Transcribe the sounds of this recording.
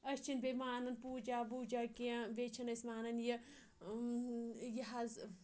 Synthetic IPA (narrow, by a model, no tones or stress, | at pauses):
ɐst͡ʃʰinbemaːnɐnpuːd͡ʒaːbuːd͡ʒaːkiãbet͡ʃʰɐnɐsmaːnɐnjɐ | jɐɦaz